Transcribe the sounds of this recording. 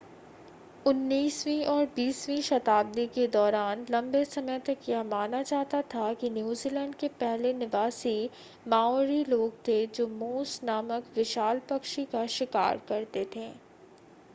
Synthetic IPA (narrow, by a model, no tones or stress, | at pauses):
ʊnːiːswĩʔɔːɾbiːsʋĩʃɐt̪aːb̚d̪iked̪ɔːɾaːnlɐ̃mbesɐməjt̪ɐkjɛɦmaːnat͡ʃaːɦt̪at̪ʰakinjuːziːlɛ̃ːɳɖkepɛɦlenɪʋaːsi | maːɔːɾiloːɡ̚t̪ʰed͡ʒoːmoːsnaːməkʋɪʃaːlpɐkʃikaʃɪka̰ːɾkɐɾt̪et̪ʰẽː